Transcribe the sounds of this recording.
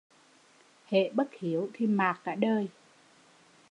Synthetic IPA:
hḛ˧˨ɓə˦˥t̚hi˨˦əwt̪ʰi˧˩maː˨˩k̚kaː˧˥ɗəː˧j

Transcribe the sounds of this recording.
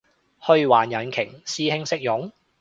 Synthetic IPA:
hɵ˧ɥwaː˨˩njɐ˨˩nkʰɪ˨˩ŋsiː˧hɪ˧ŋsɪ˥k̚jʊ˨˥ŋ

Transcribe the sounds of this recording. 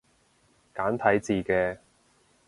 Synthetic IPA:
kaː˨˥nt̪ʰɐ˨˥jt͡siː˨kɛː˧

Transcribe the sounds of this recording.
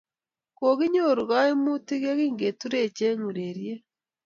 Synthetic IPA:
ko˨ɣi˦ɲo˦˨ɾu˨ɣa˦e˦mu˦ti˦ɣe˦ɣi˦ŋɡe˨tu˦ɾe˦˨t͡ʃe˦ɲu˨ɾeɾje˦

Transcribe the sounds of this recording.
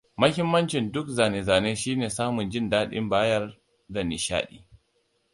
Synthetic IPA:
mɐ˦hɪ˦mːɐ˦nt͡ʃɪ˨ndʊ˦k̚zaː˨neː˨zaː˨neː˦ʃiː˦neː˨saː˦mʊ˨nd͡ʒɪ˦ndaː˦ɗɪ̰˦mbaː˦jɐ˦r | da˨ni˨ʃa̰ː˦ɗḭː˦

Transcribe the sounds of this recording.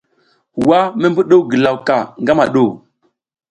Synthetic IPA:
wa˦me˦mbu˦ɗo˦wɡə˨la˨wka˨ŋɡa˦ma˨ɗo˦˨

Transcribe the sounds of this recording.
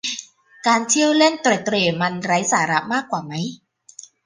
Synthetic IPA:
kaː˧nt͡ɕʰi˥˩əwle˥˩nt̪ɾa˨˩t̪ːɾeː˧˩ma˧nɾa˦˥jsaː˩˦ɾa˦˥maː˥˩kːwaː˨˩ma˦˥j

